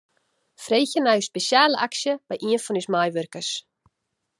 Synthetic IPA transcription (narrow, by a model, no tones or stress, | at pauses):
fɾeːjçɪnajʏspɛsjaːlɪʔaksjapajʔinfɔnismaːjvœɾ̥kas